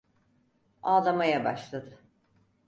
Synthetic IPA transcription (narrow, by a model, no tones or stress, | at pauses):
aːlˠamajabaʃlˠad̪ɯ